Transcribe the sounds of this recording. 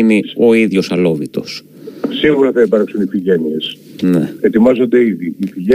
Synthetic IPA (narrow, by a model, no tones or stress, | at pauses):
ineo̞iðʝo̞sɐlo̞ðit̪o̞s | siɣuɾɐθɐipɐɾksunifiʝe̞niesnee̞t̪imɐzo̞nd̪e̞iðiːfiʝe